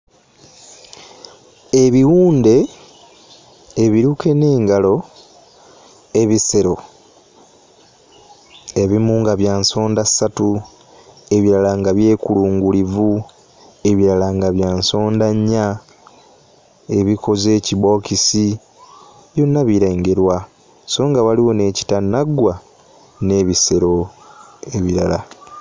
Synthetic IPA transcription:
e̞βiwuːnde̞ | βiɾuke̞ne̞ːŋɡalo̞ | e̞βise̞ɾo̞ | e̞βimuːŋɡaβjaːnso̞ːndasatu | e̞βiɾalaŋɡaβje̞ːkuluːŋɡulivu | e̞βiɾalaŋɡaβjaːnso̞ːndaɲːa | e̞βiko̞ze̞ːciβo̞ːkisi | βjonːaβiɾeŋɡe̞ɾwa | so̞ːŋɡaβaliwo̞ne̞ːci̥tanaɡːwa | ne̞ːβise̞ɾo̞ | e̞βiɾala

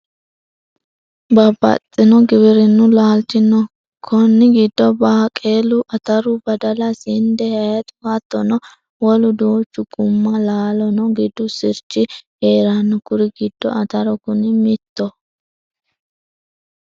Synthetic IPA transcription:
bɐbɐ̰t̪ʼːɪnɔɡɪbɪɾɪnːʊlaːlt͡ʃɪnːɔ | kʰɔnːɪɡɪd̪ːɔbaːkʼeːlʊʔɐt̪ɐɾʊbɐd̪ɐlɐsɪnd̪ɛhɐjɐt̪ʼʊwɐt̪ːɔnɔ | wɔlʊd̪oːt͡ʃːʊɡʊmːɐlaːlɔnɔɡɪd̪ːʊsɪɾt͡ʃːɪ | eːɾɐnːʊkʊɾɪɡɪd̪̥ːɔ̰ɐt̪ɐɾɔkʊnɪmɪt̪ːɔ

